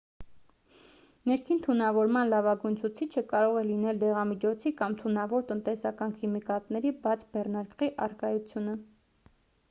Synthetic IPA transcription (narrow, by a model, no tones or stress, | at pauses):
nɛɾkʰint̪ʰunɑvɔɾmɑnlɑvɑɡujnt͡sʰut͡sʰit͡ʃʰəkɑɾɔʁɛlinɛld̪ɛʁɑmit͡ʃʰɔt͡sʰikɑmt̪ʰunɑvɔɾt̪ənt̪ɛsɑkɑnkʰimikɑt̪nɛɾibɑt͡sʰbɛrnɑɾkʁiʔɑrkɑjut͡sʰjunə